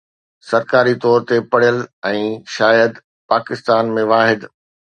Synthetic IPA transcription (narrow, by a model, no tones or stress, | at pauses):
sɐɾkaːɾit̪ɔːɾt̪epɐɽ̤ijəlɛ̃ːʃaːjəd̪ | paːkɪst̪aːnmẽʋaːɦɪd̪